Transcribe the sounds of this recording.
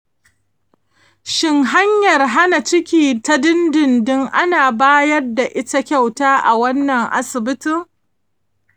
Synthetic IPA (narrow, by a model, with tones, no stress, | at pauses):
ʃɪ˦ŋɦa˦ɲjɐ˨rɦa˦na˨t͡ʃɪ˦kʲiː˨ta˦dɪ˦ndɪ˨ndɪ˦ŋʔa˦naː˨baː˦jɐ˦rda˨ʔɪ˦ta˦kʲa˦˨wtaː˦ʔa˨wɐ˦nːɐ˨ŋʔa̰˦sɪ˨bɪ˦tɪ˦˨ŋ